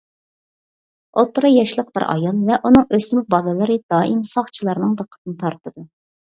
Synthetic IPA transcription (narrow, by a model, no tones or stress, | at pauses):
ot̪ːɾɨjɑʃlˠəq̚b̥ɪɾʔɑ̰jɑlˠvɛʔunɨŋøsmubɑlˠɨlˠɨɾɨd̪̥ɑːʔimsɑχt͡ʃʰilˠɑɾnɨŋd̪əqʰːə̥t̪̚ʰɨnɨt̪ʰɑɾt̪ʰɨd̪u